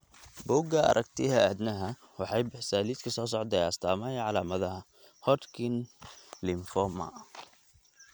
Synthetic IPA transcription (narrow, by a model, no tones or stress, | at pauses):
bɔːɡɐʔɐ̰ɾʔɐkt̪ʰɪɦɐæd̪nɐɦɐ | wɑħɑjbɪħsaːliːd̪kʰɐsɔːs̬ɔʕd̪ɛjɐst̪ʰaːmɐjɐʕɑlaːmɐðɐɦɐ | hɔd̪kʰɪnlɪmfɔmɐ̰